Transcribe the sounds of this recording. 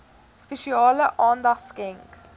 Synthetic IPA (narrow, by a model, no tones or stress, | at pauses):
speʃiɑːləʔɑːndɑsɡɛŋk